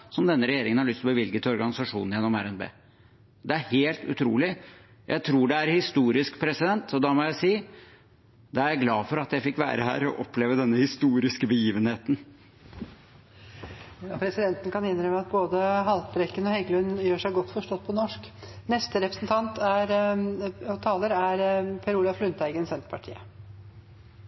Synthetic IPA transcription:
sɔmd̪ɛnːəɾɛjeːɾɪŋənhɑɾɭʏst̪ʰlbəʋɪlɡət̪ʰɪɔɾɡɑnɪsɑʂṵːnjɛnːɔmæɾɛnbḛː | d̪ɛæɾheːlt̪ʉ̰t̪ʰɾṵːlɪ | jʔæ̰ɪt̪ʰɾuːɖɛæɾhɪst̪uːɾɪskpʰɾɛsɪd̪ɛnt̪ɔd̪ɑmɔjæɪsiː | d̪ɑæɾjæɪɡlɑːfɔɾɑt̪jæɪfɪkːʋæ̰ːɾəɦhæ̰ːɾɔ̰ʔɔpleːʋəd̪ɛnːəhɪst̪uːɾɪskəbəjiːʋənheːt̪n̩ | jɑpʰɾɛsɪd̪ɛnt̪ən̩kɑnɪnɾœməɑt̪̚boːd̪əɦɑlt̪bɾɛkːənɔhɛɡlʉnjøːʂæɪɡɔt̪ːfɔʂʈɔt̪̚ːpʰɔnɔʂk | nɛst̪əɾɛpɾəsənt̪ʰɑnt̪æɾ | t̪ʰɑːləɾæɾpʰɛɾuːlɑflʉnt̪æɪɡənsɛnt̪ə̥pʰɑʈʰḭːə

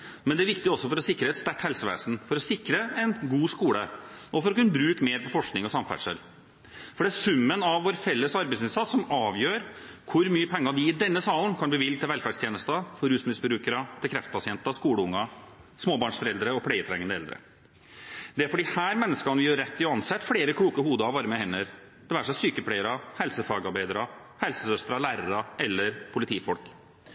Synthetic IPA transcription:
mɛnd̪ɛæɾʋɪkt̪ɪɔsːɔfɔɾɔsɪkːɾəɛt̪st̪æʈːhɛlsəʋḛːsn̩fɔɾɔsɪkɾəɛnɡuːskuːɽəʔɔfɔɾɔkʉnːəbɾʉːkmeːɾpɔfɔʂknɪŋɔsɑmfæ̰ʈʂə̰l | fɔɖɛæsʉmːənɑʋːoːɾfɛlːəsɑɾbɛɪsɪnsɑt̪sɔmɑːʋjøːɾkʰʊɾmyːəpʰɛŋːɑʋɪɪd̪ɛnːəsɑːlnkʰɑnb̪iːʋɪld̪t̪ʰɪlʋɛlfæɖʂt̪ʰjeːnəst̪ɑfɔɾʉːsmɪsbəɾʉːkəɾət̪ʰɪlkʰɾɛft̪̚pʰɑsɪɛnt̪ɑskuːɽəʊŋːɑ | smoːbɑːɳʂfɔɾɛld̪ɾəɔpʰɽeːɪət̪ʰɾɛŋːənəɛ̰ld̪ɾə̰ | d̪ɛæɾfɔɖiːhæːɾmɛnːəskɑnəʋɪjøɾːɛt̪ːɪɔɑnsɛt̪ːfɽeːɾəkʰɽuːkəhuːd̪əɑʋɑɾəmɛhɛnːəɾ | d̪̥ɛʋæːʂɛsyːkəpʰlæɪəɾɑhɛlsəfɑːɡɑɾbæɪd̪ɾɑ | hɛlsəsœst̪ɾɑlæːɾəɾɑɛlːəɾpʰʊlɪt̪ʰiːfɔlk

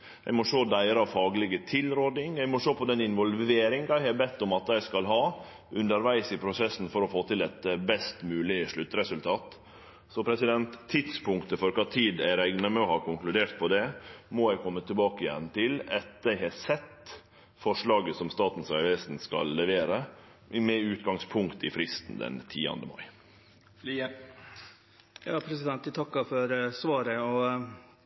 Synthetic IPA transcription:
jæ̰ɪmɔʂoːd̪æɪɾəɑʋfɑːɡlɪɡət̪ʰɪlɾoːd̪ɪŋjæɪmɔʂoːpʰɔd̪ɛnɪnʋɔlʋeːɾɪŋɡɑɪhɛbɛt̪ːʊmɑt̪jæɪskɑlɦɑː | ʔʉnd̪əɾʋæɪsɪpʰɾʊsɛsn̩fɔɾɔfoːt̪ɪlɛt̪bɛst̪mʉːlɪəʂɭʉt̪ːɾɛsʉlt̪ʰɑːt̪ | sɔpʰɾɛsɪd̪ɛnt̪ʰːɪt̪spʊŋkt̪əfɔɾkɑt̪ʰiːd̪æɪɾæɪɡnəmœhɑɾkʊŋklʉd̪eːɾt̪̚pʰɔd̪ɛmɔjæɪkʰɔmːət̪ʰːɪlbɑːkəɪjɛ̰nːt̪ɪlɛt̪̚d̪æhɛsɛt̪ː | fɔʂɭɑːɡəsɔmst̪ɑːt̪n̩sæʋɛst̪n̩skɑ̰lːɛʋeːɾə | mɛʉːt̪ɡɑŋspʰʊŋkt̪ɪfɾɪst̪n̩d̪ɛ̰nt̪ʰiːɑ̰nd̪əmɑ̰ɪ | fl | jɑːpʰɾɛsɪd̪ɛnt̪t̪ʰɑkːɑfɔɾsʋɑːɾəɔ

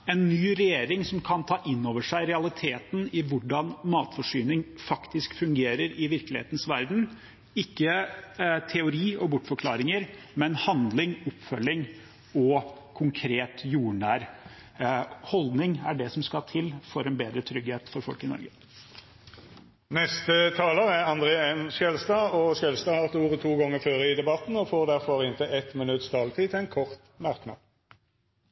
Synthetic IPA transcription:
ɛnːyːɾɛjeːɾɪŋsɔmkʰɑnt̪ʰɑːʔɪnːoːʋəʂæɪɾɛɑlɪt̪ʰeːt̪n̩ɪʋʊɖɑnmɑːt̪fɔʂyːnɪŋfɑkt̪ɪskfʉŋɡeːɾəɾɪʋɪɾklɪhḛːt̪n̩sʋæɾd̪n̩ | ɪkːə | t̪ʰɛʊɾiːɔbʊʈːfɔɾkʰlɑːɾɪŋəɾ | mɛnhɑnd̪lɪŋɔpːfœlːɪŋ | ɔkʰʊŋkʰɾeːt̪juːɳæːɾ | hɔld̪nɪŋæɖɛsɔmskɑt̪ʰɪlfɔɾɛnbeːd̪ɾət̪ʰɾʏɡheːt̪fɔɾfɔlkɪnɔ̰ɾɡə | nɛst̪ət̪ʰɑːləʁæɑnd̪ʁeːɛmsɛlst̪ɑːɔʃɛlst̪ɑːhɑːʁt̪uːʁət̪ʰuːɡɔŋːəʁføːʁəɪd̪ɛbɑt̪n̩ɔfoːʁd̪æʁfɔʁɪnt̪ʰɪɛt̪mɪnʉt̪st̪ʰɑːlt̪ʰiːt̪ʰɛnkʰɔʁt̪ | mɑʁknɑ̰ːd̪

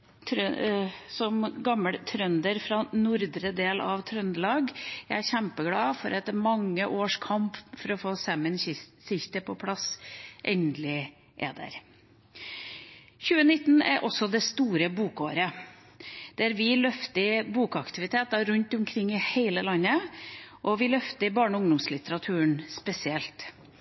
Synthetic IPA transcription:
t̪ʰ | sɔmɡɑmːəɽt̪ʰɾœnd̪əɾfɾɑnʊɾd̪ɾəd̪eːlɑʋt̪ʰɾœnd̪əlɑːɡææçæmpəɡlɑːfɔɾɑt̪̚ɛmɑŋːəʔoːʂkʰɑmpfɔɾɔfoːsɛmənsɪçt̪əpʰɔpʰlɑsʔɛ̰nnd̪lɪ | ʔɛ̰d̪æ̰ɾ | çʉːənɪt̪ːnæ̰ɾʔɔsːɔd̪ɛst̪uːɾəbuːkoːɾə | d̪̥æɾʋɪlœft̪əɪbuːkɑkt̪ɪʋɪt̪ʰeːt̪ɑɾʉnt̪ʊmkʰɾɪŋːɪheɪləlɑnːəʔɔʋɪlœft̪əɪbɑːɳɔʊŋd̪ʊmslɪt̪əɾɑt̪ʰʉːəɳspɛsɪɛlt̪

